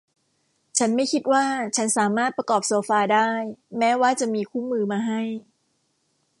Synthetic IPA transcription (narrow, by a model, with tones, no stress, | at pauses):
t͡ɕʰa˦˥nma˥˩jkʰi˦˥t̪̚waː˥˩t͡ɕʰa˦˥nsaː˩˦maː˥˩t̪̚pɾa˧kɔː˨˩p̚soː˨˩˦faː˧daː˥˩jmɛː˦˥waː˥˩t͡ɕa˨˩ʔmiː˧kʰuː˥˩mɯː˧maː˧ɦa˥˩j